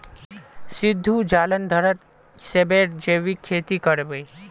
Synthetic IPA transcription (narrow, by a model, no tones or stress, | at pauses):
sid̪ʱːud͡ʒalənd̪ʱəɾət̪ | sebeɾd͡ʒeʋikʰːet̪ikəɾbej